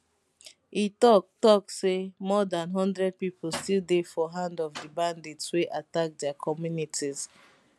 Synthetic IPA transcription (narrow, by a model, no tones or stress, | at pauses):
itɔktɔksemɔdãnɦɔ̃ndɹɛd̚piplstilˠdefɔɦãndɔvdibãndetsweʔatak̚dɛakʰɔmjunitʰiz̥